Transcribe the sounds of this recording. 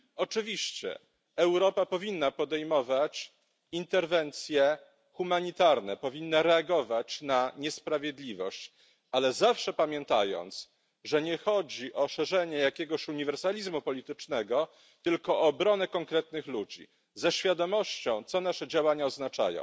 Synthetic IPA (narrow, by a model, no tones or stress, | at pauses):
ɔt͡ʂɘvʲiɕt͡ɕɛ̰ | ɛwɾɔpapɔvʲinːapɔd̪ɛjmɔvat͡ɕ | int̪ɛɾvɛnt̪sʲjɛ | xumaɲit̪aɾnɛpɔvʲinːaɾɛaɡɔvat͡ɕnaɲɛspɾavʲjɛd̪lʲivɔ̰ɕt͡ɕ | alɛzafʂɛpamʲjɛnt̪a̰jɔ̰nt̪s | ʐɛɲɛxɔd͡ʑiʔɔʂɛʐɛɲɛjakʲɛɡɔɕuɲivɛɾsalʲizmupɔlʲit̪ɘt͡ʂnɛɡɔ | t̪ɘlkɔːbɾɔnɛkɔŋkɾɛt̪nɘxlud͡ʑḭ | zɛɕfʲjad̪ɔmɔɕt͡ɕɔ̃w̃t̪sɔnaʂɛd͡ʑawaɲaɔznat͡ʂa̰jɔ̰̃w̃